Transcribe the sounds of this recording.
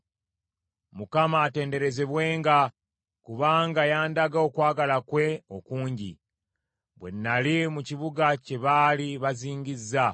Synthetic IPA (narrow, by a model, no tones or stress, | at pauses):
mukamaːte̞ːnde̞ɾe̞ze̞βwe̞ːŋɡa | kuβaːŋɡajaːndaɡao̞kwaːɡalakwe̞o̞kuːɲɟḭ | βwe̞̰nːalimuciβuɡace̞βaːliβaziːɲɟizːa